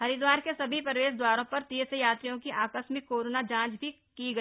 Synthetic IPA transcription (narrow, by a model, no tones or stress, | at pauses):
hɐɾid̪waːɾkesɐbʱipɾʋeːʃd̪waːɾõpɐɾt̪isejaːt̪ɾijõkiʔaːkəsmɪkːoːɾoːnad͡ʒãːt͡ʃbʱi | kiɡɐ